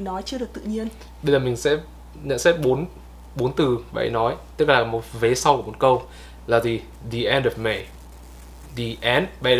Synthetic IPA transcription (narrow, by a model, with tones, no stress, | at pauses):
nɔ˨˦jt͡ɕɨ˧əɗɨ˨˩ək̚t̪ɨ̰˧˨ɲi˧ən | ɓə˧zəː˨˩mï˨˩ŋ̟sɛ̰˧˥ | ɲə̰˧˨nsɛ˦˥t̚ɓo˨˦n | ɓo˨˦nt̪ɨ˨˩ɓa̰˧˨jnɔ˨˦jt̪ɨ˦˥k̚laː˨˩mo˨˩t̚ve˨˦sa˧wku˧˩˨o˨˩t̚kə˧w | laː˨˩zi˨˩ | di˨˩ʔɛ˧ndɔ˨fmɛ˧˩j | di˨˩ʔɛ˨˦nɓa̰˧˨